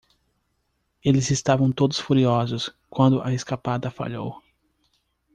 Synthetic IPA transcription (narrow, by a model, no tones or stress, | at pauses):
elɪzɪst̪avɐ̃w̃t̪od̪ʊ̥sfuɾiɔzʊs | kwɐ̃nd̪ʊʔɐeskapad̪ɐfa̰ʎo̰w